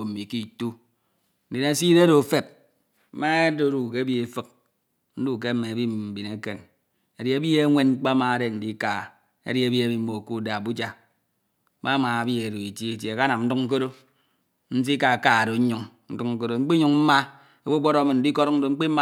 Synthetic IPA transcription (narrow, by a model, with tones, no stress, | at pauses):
m̩˨mi˨ki˨tu˦ | n̩˨di˨na˨˦si˦de˦ɾo˨fe˨p̩̚˦ | ma˦e˦do˦ɾu˨ke˦bi˦e˨fɨ˦k̚ | n̩˦du˦˨k̬e˦me˨e˨bi˦m˨m̩˨bi˨ne˦ke˨n | e˨di˨˦e˦bi˦e˦ŋʷe˦n̩˦k͡pa˦ma˨˦de˦n̩˨di˦ka˨ | ḛ˦ɾi˦e˦bi˦e˦bi˦m̩˦mo˨ku˦da˨bu˦d͡ʒa˦ | ma˦ma˨a˨bi˦e˨do˨i˨ti˦e˨tje˨e˨ka˦na˨mn̩˦du˦ŋ̩˦ko˦ɾo˦ | n̩˦s̬i˦ka˨ka˨do˨˦ɲu˨ŋn̩˦du˦kŋ̩˦ko˦ɾo˦ŋ͡m̩˦k͡pi˦ɲu˨ŋm̩˦ma˦ | e˨bu˦ɡ͡bɔ˦ɾɔ˦mi˨n̩˨di˦ko˦ɾn̩˦do˨ŋ͡m̩˦k͡pi˦ma˦